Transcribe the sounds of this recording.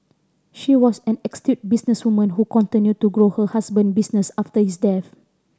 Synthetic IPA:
ʃiwɔsɛ̃nɛkstut̚bisnəswumə̃nhukɔ̃ntĩnjud̚tːuɡɹohəhasbə̃nbisnəsaftəhisdɛθ

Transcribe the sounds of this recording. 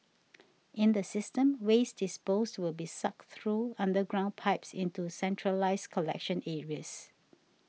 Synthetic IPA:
ʔɪ̃nd̪əsɪstə̃mwesdɪspostwɪlbisak̚θɹuãndəɡɹãʊ̃n̚pʰaɪpsɪ̃ntusɛ̃ntʰɹəlaɪskʰɔlɛ̰kʃə̃nɛɹiəs

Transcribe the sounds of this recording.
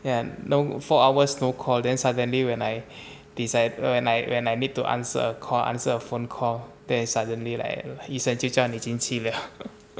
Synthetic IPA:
janofɔawəsnokʰɔldɛ̃nsadə̃nliwɛ̃naj | d̥isaɪd̚wɛ̃najwɛ̃najnid̚tuʔã̰nsə̰əkʰɔlʔã̰nsəəfõnkʰɔldɛ̃nsadə̃nlila̰jkaisə̃nt͡ʃit͡ʃãnid͡ʒĩnsʰilə

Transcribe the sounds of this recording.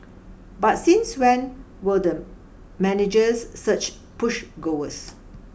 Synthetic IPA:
batsĩnswɛ̃n | wədə | mɛnɪd͡ʒəsːət͡ʃ | pʊʃɡoəs

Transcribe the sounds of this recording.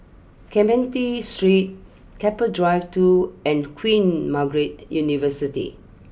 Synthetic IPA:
kʰɛ̃mbɛ̃ntistɹit̚ | kʰɛpədɹaɪftuɛ̃nkʰwĩnmaɡɹet̚junivəsitḭ

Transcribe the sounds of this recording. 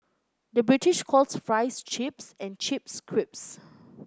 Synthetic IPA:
dəbɹitiʃkʰɔlsfɹaɪst͡ʃipsɛ̃nt͡ʃip̚skʰɹip̚s

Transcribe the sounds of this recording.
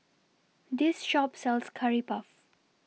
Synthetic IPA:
d̪ɪsʃɔpsɛlskʰaɹipaf

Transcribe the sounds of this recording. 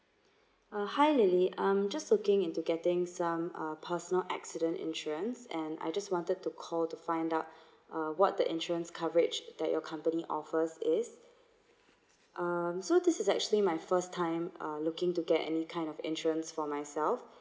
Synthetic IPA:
ʌhaɪlɪliʔãɪ̃md͡ʒaslʊkɪ̃ŋɪ̃ntuɡɛtɪ̃ŋsãmʌpʰəsənəlʔɛ̰ksɪɾə̃ntɪ̰̃nʃuɹə̃nsɛ̃na̰ɪd͡ʒaswɔ̃ntəd̚tukʰɔltufãɪ̃ndaʊt̚ | ʔʌwɔt̚d̥̪əʔɪ̃nʃuə̃nskʰavəɹɪd͡ʒd̪ɛʔ̚jɔkʰãmpəniʔɔfəsɪs | ʔʌmsodɪsɪsɛ̰k̚t͡ʃuəlimaɪfəstʰãɪ̃mʌlʊkɪ̃ŋtuɡɛtɛ̰nikʰãɪ̃ndɔvɪ̰̃nt͡ʃɹə̃nsfɔmaɪsɛlf

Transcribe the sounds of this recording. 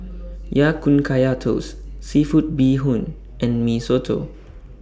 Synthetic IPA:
jakũnkʰajatʰo̰sːifut̚biɦũn | ʔɛ̃nmisotʰo̰

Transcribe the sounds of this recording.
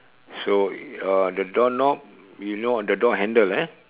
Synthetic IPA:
soadədɔnɔp̚ | junodədɔʔɦɛ̃ndəlɛ

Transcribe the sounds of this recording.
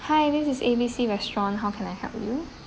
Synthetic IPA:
haɪdɪsɪsebisiɹɛstɹɔ̃nɦaʊkʰɛ̃naɪjhɛ̰lpju

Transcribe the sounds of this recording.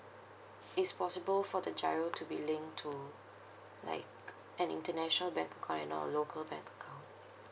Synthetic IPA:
ɪtspɔsɪbəlfɔdəd͡ʒaɹotʰubilɪ̃ŋktʰu | la̰ɪk | ʔɛ̃nḭ̃ntənɛʃɔnəlbɛ̃ŋkəkʰãʊ̃ntɛ̰̃nɔ̰ə̰lokʰəlbɛ̰̃ŋkəkʰãʊ̃nt

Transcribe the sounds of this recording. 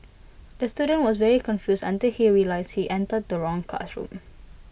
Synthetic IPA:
dəstuɾə̃nwɔsvɛɹikɔ̃nfjusã̰ntilhiɹilaɪshiʔɛ̃ntəd̚dəɹɔ̃ŋkʰla̰sɹṵ̃m

